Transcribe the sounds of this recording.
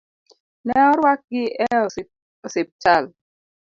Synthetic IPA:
nɛɔɾwak̚ɡɪɛɔ | ɔsep̚t͡ʃal

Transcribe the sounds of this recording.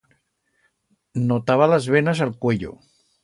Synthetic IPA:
not̪aβaləzβenəzəlˠkweʎo̰

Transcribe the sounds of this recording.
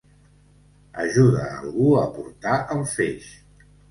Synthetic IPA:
əʒuðəːlˠɣuəpuɾt̪aʔəlˠfeʃ

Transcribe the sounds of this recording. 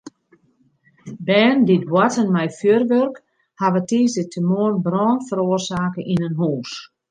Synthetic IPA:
bɛːnditwatənmɛjfjørʋørk | haʋətiːzɪtʰəmoənbrɔːnfəɾoərsaːkəʔinənɦuːs

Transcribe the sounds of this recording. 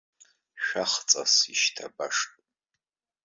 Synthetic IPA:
ʃᶣaχt͡sʼasiʃtʰabaʂtʼ

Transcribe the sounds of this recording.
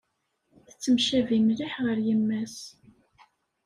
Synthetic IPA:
θət͡sːəmʃævimliħʁəɾjəmːæs

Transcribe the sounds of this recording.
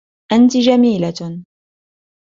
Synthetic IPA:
ʔant̪ɪd͡ʒamiːla

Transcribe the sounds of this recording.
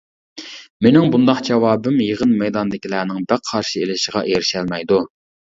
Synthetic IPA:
menɪŋbund̪ɑqd͡ʒɛwɑːbɨmjəʁənmɛjd̪ɑnd̪ɪkʲilæːnɪŋbæqʰːɑɾʃielɪʃəʁɑ̰ʔeɾɪʃɛlmɛjd̪u

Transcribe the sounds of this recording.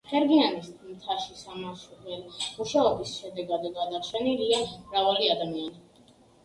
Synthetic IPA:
χɛɾɡianismt̪ʰaʃisamaʃuχɛlmuʃaɔbisʃɛd̪ɛɡad̪ɡad̪at͡ʃʰɛniliamɾavaliad̪amiani

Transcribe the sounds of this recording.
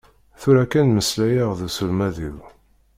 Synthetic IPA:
θuɾækːænməslæjəʁðusulmæðiw

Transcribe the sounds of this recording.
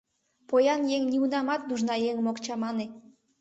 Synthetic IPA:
pojɑnjeŋniunɑmɑt̪̚d̪uʒnɑjeŋmokt͡ɕɑmɑne

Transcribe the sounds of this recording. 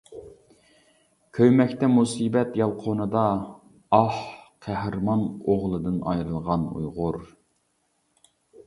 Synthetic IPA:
kʲʰøjmɛkʲt̪ɛmusibɛt̪jɑlˠqʰonɨd̪ɑː | hqʰæɦɾmɑnoʁlˠɨd̪ɨnɑ̰jɾɨlˠʁɑnṵjʁʊɾ

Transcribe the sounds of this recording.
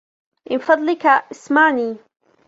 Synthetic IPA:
ʔɪfɑd̪ˤlɪkaʔɪsmaʕni

